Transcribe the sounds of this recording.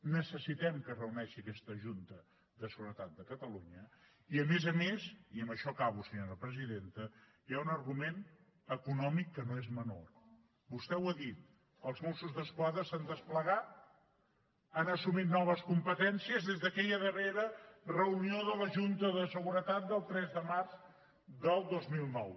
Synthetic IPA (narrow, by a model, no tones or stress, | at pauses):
nəsəsit̪ɛmkərəunɛʃiəkɛst̪əʒunt̪ə | d̪əsəɣuɾət̪at̪̚d̪əkət̪əluɲə | iəmezəmesiəmbəʃɔkaβ̞usəɲoɾəpɾəziðent̪ə | jaunərɣumen | əkunɔmikːənoezməno̰r | bust̪ɛwəðit̪̚ | əlˠzmosuzðəskwaðɾəsand̪əspləɣat̪̚ | anəsumit̪nɔβ̞əskumpət̪ɛnsiəzðezðəkɛʎəðəreɾərəunioðələʒunt̪əðəsəɣuɾət̪at̪̚d̪əlˠt̪ɾɛzðəmarz | d̪əlˠd̪ozmilˠnɔw